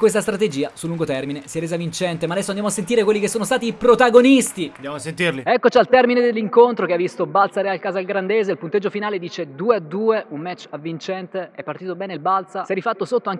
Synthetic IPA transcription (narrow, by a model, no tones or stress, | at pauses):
kwes̬t̪ast̪ɾat̪ed͡ʒiːasulːuŋɡot̪ɛrminesiɛɾrːeːzavint͡ʃɛnt̪emaːd̪ɛsːoand̪jamoasːent̪iːɾekwelːikesːoːnost̪aːt̪iːpɾot̪aɡonist̪ind̪jamoasːent̪irliɛkːot͡ʃialt̪ɛrmined̪elːiŋkont̪ɾokeavːist̪obalt̪saɾɛalkaːzalɡɾand̪eːzeilpunt̪ed͡ʒːofinaːled̪iːt͡ʃed̪uːead̪ːuːeʔummːɛt͡ʃːavːint͡ʃɛnt̪eɛpːart̪iːt̪obɛːneilbalt̪sasɛɾifat̪ːosot̪ːoaŋk